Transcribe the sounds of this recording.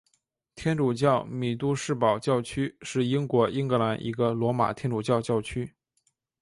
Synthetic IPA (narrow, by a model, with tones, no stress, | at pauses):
t̪ʰjɛ˥nʈ͡ʂu˨˩t͡ɕjɑ˥˩ʊmi˨˩t̪u˥˧ʂɻ̩˥˩pɑ˨˩ʊt͡ɕjɑ˥˧ʊt͡ɕʰy˥ʂɻ̩˥˩i˥ŋkwɔ˧˥ʔi˥ŋkɤ˧˥la˧˥nʔḭ˧˥ɡə˧lwɔ˧˥ma̰˨˩t̪ʰjɛ˥nʈ͡ʂu˨˩t͡ɕjɑ˥˧ʊt͡ɕjɑ˥˧˩ʊt͡ɕʰy˥